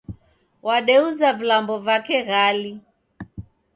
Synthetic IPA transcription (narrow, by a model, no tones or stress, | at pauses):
waɗɛuzavilambɔvakɛɣali